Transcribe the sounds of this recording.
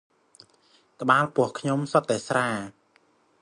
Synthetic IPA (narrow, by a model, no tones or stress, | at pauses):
kə̆ɓaːlpʊ̆əhkʰɲomsot̪ːaɛsraː